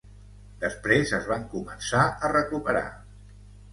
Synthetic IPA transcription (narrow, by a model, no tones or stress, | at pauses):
d̪əspɾezəzβaŋkumənsaərəkupəɾa̰